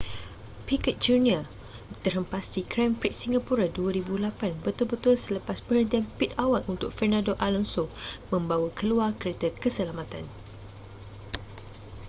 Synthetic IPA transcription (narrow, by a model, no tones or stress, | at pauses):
pikət̪̚d͡ʒunial | t̪ərhəmpasdikɾampɾit̪̚siŋɡapuɾaduaɾibulapanbət̪ulbət̪ʊlsələpaspəhənt̪ianpit̪awatunt̪ʊk̚fərnãdoʔalɔnsomə̃mbawakʰəluarkəɾet̪akəsəlamãt̪an